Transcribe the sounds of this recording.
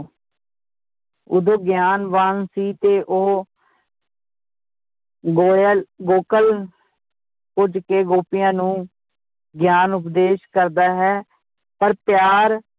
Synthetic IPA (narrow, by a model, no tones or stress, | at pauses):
ʊ̰d̪õːɡjaːnʋaːnsiːt̪eːʔoː | ɡoːɡoːkəl | kʊd͡ʒkeːɡoːpɪjãːnũː | ɡjaːnʊpd̪eːʃkəɾd̪aːɦɛː | pəɾpjaːɾ